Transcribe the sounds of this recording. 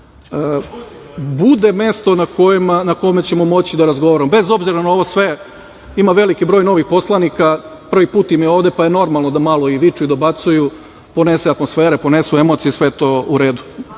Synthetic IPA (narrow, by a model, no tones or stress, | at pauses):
bud̪e̞me̞st̪o̞nakʰojimanako̞met͡ɕe̞mo̞mo̞t͡ɕid̪aɾazɡo̞ʋaɾamobe̞zo̞bziɾanao̞ʋo̞sʋe̞ | imaʋe̞likibɾo̞ːjno̞ʋixpo̞slˠanikapr̩ʋipuːt̪imjeo̞ːʋd̪e̞paje̞no̞ɾmalˠno̞d̪amalo̞iʋit͡ʃuid̪o̞bat̪suju | po̞ne̞seat̪mosfe̞ːɾepo̞ne̞sue̞mo̞t̪ijesʋeet̪o̞ːuɾe̞ːd̪u̥